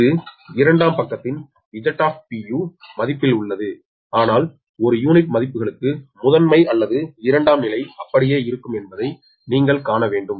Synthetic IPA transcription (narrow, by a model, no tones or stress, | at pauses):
ɯɪɾɐɳɖaːmpɐkːɐt̪ːɪn | ɪd͡ʒɐʈːaːp̚pijuːmɐðɪpːɪlʊɭːɐðɯ | aːnaːl | ɔɾɯjuːnɪʈmɐðɪpːɯɣɐɭɯkːɯmʊðɐnmɐɪɐlːɐðɯɪɾɐɳɖaːmnɪlɐɪɐpːɐɽɪjeːɪɾɯkːɯmɛnbɐðɐɪ | niːŋɡɐɭkaːnɐʋeːɳɖɯm